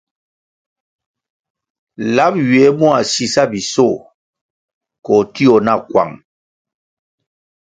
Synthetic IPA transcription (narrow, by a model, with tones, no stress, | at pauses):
la˦p̚ɥe˨˦mu˦a˨si˨sa˦bi˨so˦˨ | kɔ˨ti˦ɔ˨na˦˨kwa̰˨ŋ